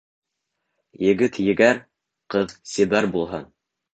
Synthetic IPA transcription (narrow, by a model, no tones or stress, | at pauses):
jɘ̆ɡɘt̪jɘ̆ɡæɾ | qɤðsibæɾbulˠɦɑn